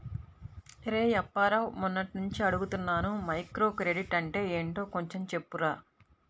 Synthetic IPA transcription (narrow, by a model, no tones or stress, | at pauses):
ɾeːjɐpːaːɾɐwmunːɐʈinuɲt͡ʃiɐɽuɡut̪unːaːnumɐjkɾo̞ːkɾe̞ɖiʈɐɳʈe̞ːeːɳʈo̞ːko̞ɲt͡ʃe̞mt͡ʃe̞pːuɾaː